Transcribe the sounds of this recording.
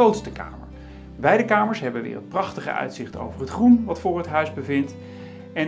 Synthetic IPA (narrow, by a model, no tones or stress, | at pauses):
owtstəka̰ːmə̰ɹ | bɛjdəkaːməɹsɦɛbənʋɪ̰ːrət̚prɑχtəχə̰ʔœ̰ɥtsɪχto̰wvərɦətχrunʋɑtfʊːɹɦətɦœɥzbəvɪnt | ɛn